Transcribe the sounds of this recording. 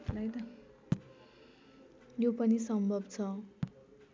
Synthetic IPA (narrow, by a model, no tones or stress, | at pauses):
lʌjt̪ʌ | jopʌnisʌmbʱʌbt͡sʰʌ